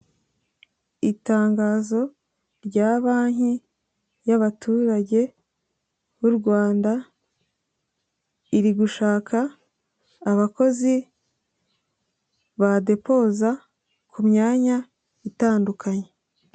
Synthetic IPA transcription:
itaːŋɡaːzo̞ | ɾɟaːβaːɲ̥i | jaβatʰuːɾaɟe̞ | βuɾɡwaːnda | iɾiɡuʃaːkʰaː | βako̞zi | βade̞po̞ːza | kumɲaːɲa | itaːndukʰaɲe̞

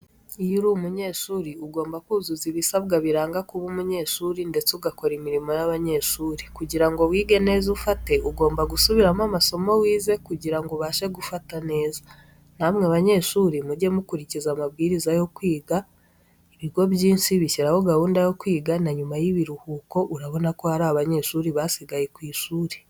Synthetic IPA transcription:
ijuɾumuɲe̞ːʃuːɾiuɡo̞ːmbakuːzuziβisaβɡaβiɾaːŋɡakuβumuɲe̞ːʃuːɾinde̞t͡seuɡako̞ɾimiɾimo̞jaβaɲe̞ːʃuːɾikuɟiɾaŋɡo̞wiːɡe̞ne̞ːzufate̞uɡo̞ːmbaɡusuβiɾamamaso̞mo̞wiːze̞kuɟiɾaŋɡoβaːʃe̞ɡufatane̞ːza | namŋeβaɲe̞ːʃuːɾimuɟe̞mukuɾicizamabɡiːɾizajo̞kwiːɡa | iβiɡo̞bjiːnsiβiʃiɾaho̞ɡahuːndajo̞kwiːɡanaɲumajiβiɾuhuːko̞ʔuɾaβo̞nako̞haɾaaβaɲe̞ːʃuɾiβasiɡajekwiːʃuːɾi̥

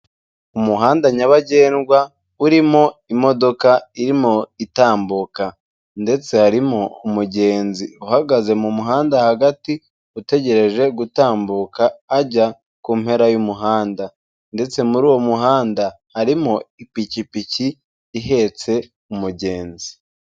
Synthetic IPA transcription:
umuɦaːndaɲaβaɟe̞ːnɡwa | uɾimo̞imo̞do̞kaiɾimo̞itaːmbuka | nde̞t͡se̞haɾimo̞umuɟe̞ːnziuhaɡaze̞mumuɦaːndahaɡati | ute̞ɟe̞ɾe̞ʒe̞ɡutaːmbukaːɟa | kuːmhe̞ɾajumuɦaːnda | nde̞t͡se̞muɾuːwo̞muɦaːnda | haɾimoipicipiciː | ɦe̞t͡se̞ | umuɟe̞ːnzi

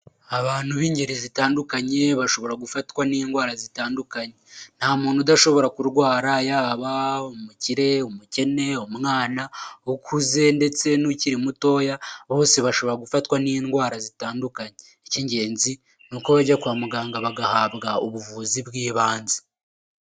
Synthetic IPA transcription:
aβaːn̥huβiːɲɟe̞ɾizitaːndukaɲe̞βaʃo̞βo̞ɾaɡufatkwaniːnɡwaːɾazitaːndukaɲen̥haːmuːnudaʃo̞βo̞ɾakuɾɡwaːɾajaːβaomuciɾe̞omuce̞ne̞omŋaːnaokʰuze̞nde̞t͡se̞nuciɾimuto̞ːjaβo̞ːse̞βaʃo̞βo̞ɾaɡufatwaniːnɡwaːɾazitaːndukaɲeːciɲɟe̞ːnzi | nuːko̞βaɟakwaːmuɡaːŋɡaβaɡahaːβɡauβuvuziβɡiːβaːnzi̥

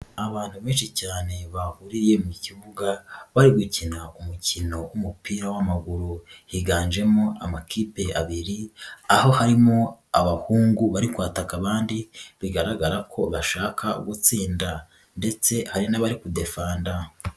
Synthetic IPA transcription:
aβaːn̥huβiːnʃicaːne̞βahuɾiɾje̞muciβuɡaβaɾiɡucinaʔumucʰino̞wumupiːɾawamaɡuɾuhiɡaːnd͡ʒe̞moa̰makʰipe̞a̰βiɾiaho̞haɾimo̞a̰βahuːŋɡuβaɾikwaːtakaβaːndiβiɡaɾaɡaɾakʰo̞βaʃaːkʰaṵɡut͡siːnda | nde̞t͡se̞haɾinaβaɾikude̞faːnda

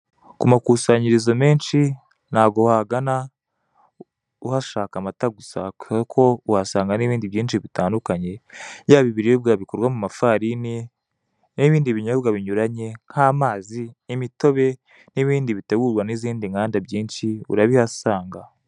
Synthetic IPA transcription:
kumakusaːɲiɾizome̞ːnʃi | n̥haːɡohaɡana | uhaʃaːkamataɡusakuakʰo̞uhasaːŋɡaniβiːndiβjiːnʃiβitaːndukaɲe̞jaːβiβiɾijobɡaːβikoɾwamumafaɾini | niβiːndiβiɲobɡaβiɲuɾaɲe̞ŋ̥haːmaːziːmito̞βe̞ | niβiːndiβiteɡuɾɡwaniziːndiŋɡaːndabɟiːnʃiṵɾaβihasaːŋɡa

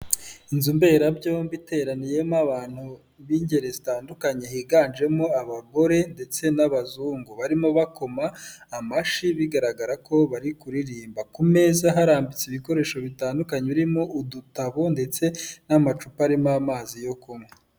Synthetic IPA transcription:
inzumbe̞ːɾabɟombite̞ːɾanije̞maβaːn̥hu | βiɲɟe̞ɾe̞zitaːndukaɲeɦiːɡaːnd͡ʒe̞moaβaɡo̞ɾe̞nde̞t͡se̞naβazuːŋɡoβaɾimoβako̞maːmaʃiβiɡaɾaɡaɾako̞βaɾikuɾiɾiːmbakume̞zaɦaɾaːmbit͡seiβiko̞ɾe̞ːʃo̞βitaːndukaɲeβiɾimo̞ʔudutaβo̞nde̞t͡se̞namat͡ʃupaɾimamaːzijo̞kumŋe

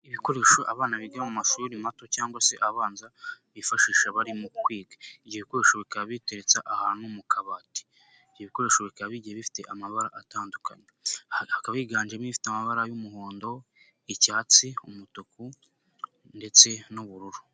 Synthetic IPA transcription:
iβiko̞ɾe̞ːʃo̞ʔaβaːnaβiɡaɾamumaʃuɾimato̞caːŋɡwase̞ʔaβaːnzaβifaʃiːʃaβaɾimukwiːɡḁivɟieβiko̞ɾe̞ːʃoβikaβite̞ɾet͡saʔahaːnumukʰaβati̥ | ivɟieβiko̞ɾe̞ːʃo̞βikaaβiɟiheβifi̥te̞̰ʔamaβaɾaʔataːndukʰa̰ɲehakaβaiɡaːnd͡ʒemifi̥tamaβaɾajumuɦoːndo̞ | icaːt͡siumutoku | nde̞t͡se̞nuβuɾuɾu̥

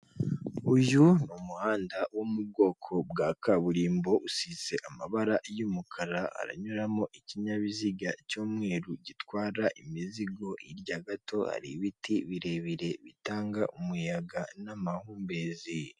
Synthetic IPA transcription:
uʒunumuhaːndawomub̚ɡo̞ːkʰo̞bɡakaβuɾiːmbo̞ʔusize̞ʔamaβaɾajumukʰaɾaha̰ɾa̰ɲuɾamoʔiciɲaβiziɡacoːmŋe̞ːɾuɟitwaːɾaʔimiziɡo̞ʔiɾɟaɡatʰo̞ha̰ɾiβitʰiβiɾe̞βiɾe̞βitaːŋɡaʔumujaɡanamahuːmbe̞zi

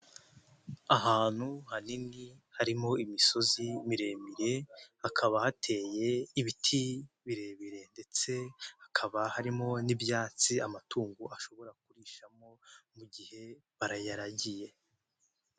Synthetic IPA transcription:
aɦaːn̥huhaninihaɾimo̞imiso̞zimiɾe̞miɾe̞hakʰaβahatʰe̞ːje̞iβitʰi | βiɾe̞ːβiɾe̞nde̞t͡se̞hakʰaβahaɾimo̞nibjaːt͡siamatuːŋɡuʔaʃo̞βo̞ɾak̚uɾiʃamo̞muɟihe̞ | βaɾajaɾaɟije̞

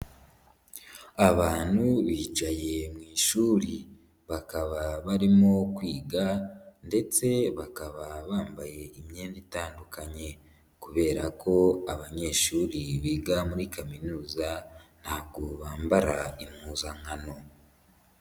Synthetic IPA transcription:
aβaːn̥huβiːd͡ʒaje̞mŋiːʃuːɾi | βakaβaβaɾimo̞kwiːɡande̞t͡se̞βakaβaβaːmbaje̞imɲeːnditaːndukaɲe̞ | kuβe̞ːɾakʰo̞aβaɲe̞ːʃuːɾiβiːɡamuɾikaminuːzan̥haːβɡo̞βaːmbaɾaimhuːzaŋano̞

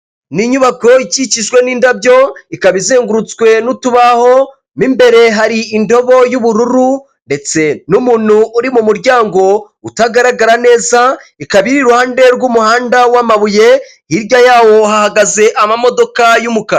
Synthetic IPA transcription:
niɲuβako̞icit͡ʃiʃwe̞niːndabjo̞ikaβizeːŋɡuɾut͡swe̞nutuβaho̞ | nimbe̞ɾe̞ɦaɾiindo̞βo̞juβuɾuɾu | nde̞t͡se̞numuːnhuʔːɾimumuɾɟaːŋɡo̞ | utaɡaɾaɡaɾane̞ːzaikaβiɾiɾuhaːndeɾɡumuhaːndawamaβuje̞ | hiɾɟajaːwo̞ɦahaɡaze̞ʔamamo̞do̞kajumuka

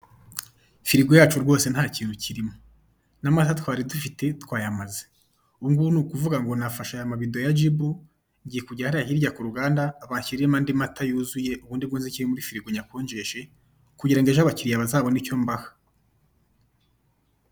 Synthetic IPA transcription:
fiɾiɡojaːt͡ʃuɾɡwo̞ːse̞n̥haːciːn̥uciɾimo | namatatwaːɾidufite̞twaːjamaze̥ | uŋɡunuːkuvuɡaŋɡo̞nafaʃajamaβideojad͡ʒibu | ɲɟijekuɟahaɾahiːɾɟakuɾuɡaːndaːβaːɲçiɾijemaːndimatʰajuzuje̞ʔuβuːndiβɡunziciɾimuɾifiɾiɡoɲakoːɲd͡ʒe̞ʃe̞ | kuɟiɾaŋɡeʒaβaciɾijaβazaːβo̞nico̞ːmbahḁ

